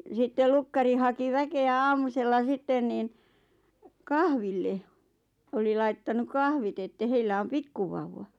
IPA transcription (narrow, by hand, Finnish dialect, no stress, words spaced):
sitːel lukːɑri hɑki ʋækeæ ɑːmuselːɑ sitːen niːn kɑhʋilːe oli lɑittɑnu kɑhʋit etːæ heilːæ om pikːuʋɑuʋːɑ